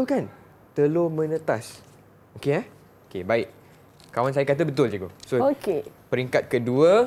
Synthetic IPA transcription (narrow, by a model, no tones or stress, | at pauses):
okan | t̪əlomə̃nə̃t̪as | okeɛ | okebaɪk̚ | kawans̬ajakat̪̬əbət̪ʊld͡ʒuɡosookepəɾiŋkat̪̚kəduə